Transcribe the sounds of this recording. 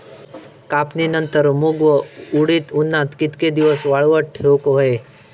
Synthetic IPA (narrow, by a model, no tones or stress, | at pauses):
kapninənt̪əɾmuɡʋəuɽit̪unːat̪kit̪ked̪iʋəsʋaɭʋəʈʈʰewkɦoe